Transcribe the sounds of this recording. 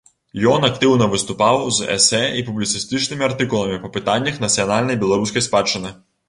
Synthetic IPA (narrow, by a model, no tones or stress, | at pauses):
jɔnɐkt̪ɪwnɔʋɨst̪ʊpawzɛ̰sɛipublʲit̪sɨst̪ɨt͡ʃnɪmʲiɐrt̪ɪkulˠɐmʲipɐpɨt̪anʲːɐxnɐt̪sʲijɔnalʲnɐjbʲɛlˠɐɾusʲkɐjspat͡ʃːɪnɨ